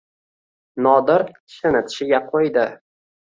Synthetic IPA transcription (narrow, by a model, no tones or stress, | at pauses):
nɒd̪ɪɾʲʰɪ̥ʃɪnɪt̪ʰɪ̥ʃɪɡʲaqʰojd̪ɪ